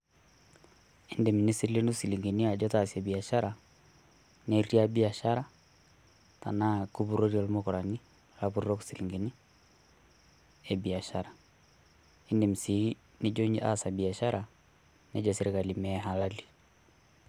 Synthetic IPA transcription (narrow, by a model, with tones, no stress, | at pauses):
ɪ˦nde˨m̩˨ni˦sɪle˦nu˦si˨li˨ŋɡi˨ni˦a˨d͡ʒɔ˦ta˨sjɛ˨bi˨a˨ʃa˦ɾa˨ | nɛ˦ɾi˦a˦bi˨a˨ʃa˦ɾa˨ | ta̰˨na˦ku˦bu˦ɾo˦ɾi˨ɔ˦lmokɔ˨ɾa˨ni˦ | la˦pu˦ɾɾɔ˦ku̥si˨li˨ŋɡi˨ni˦ | ɛ˨bi˨a˨ʃa˦ɾa˨ | ɪ˦nde˨m̩˨si˨˦ | nɪ˦d͡ʒo˦ɲd͡ʒi˦ʔa̰˦sa˨bi˨a˨ʃa˦ɾa˨ | nɛ˦d͡ʒɔ˨se˦ɾe˦ka˨li˨mɛɦa˨la˦li˨